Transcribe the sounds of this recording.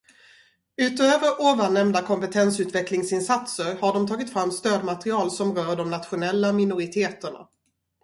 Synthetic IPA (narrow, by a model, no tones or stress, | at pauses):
ʉ̟ːt̪øːvəɾʔoːvanːɛmd̪akʰɔmpɛt̪ʰɛnsʉ̟ːt̪vɛklɪŋsɪnsat̪səɾhaɖɔmt̪ʰɑːɡɪt̪fɾamːst̪øːd̪mat̪ɾɪɑːlsɔmɾœːɖɔmnat̪ɧʊnɛlːamɪnʊɾɪt̪ʰeːt̪əɳa̰